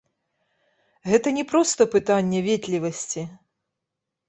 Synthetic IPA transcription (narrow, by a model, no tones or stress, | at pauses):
ɣɛt̪ɐnʲɛpɾɔst̪ɐpɨt̪anʲːɛvʲɛt̪ʲlʲivɐsʲt͡sʲi